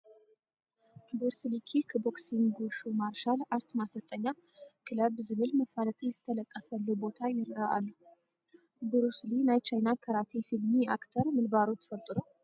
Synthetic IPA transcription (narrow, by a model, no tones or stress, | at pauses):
bɨɾslikʰikʰəboksiŋɡuʃumaɾʃalaɾt̪masət̪ʼːəɲːa | kʰɨləbzɨβɨlməfalət̪ʼəjɛsɨ̥t̪ʰːələt̪ʼːəfəlːubo̞t̪ʰajɪɾəʔa̰lːu | bɨɾuslinajt͡ʃajnakʰəɾat̪ʰefilmia̰kt̪ʰəɾmɨlbaɾot̪ːfəlt̪ʼɨɾo